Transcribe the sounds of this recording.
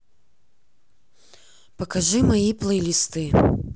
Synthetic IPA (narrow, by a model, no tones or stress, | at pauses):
pɐkaʐɨmajiplˠɐjlʲist̪ɨ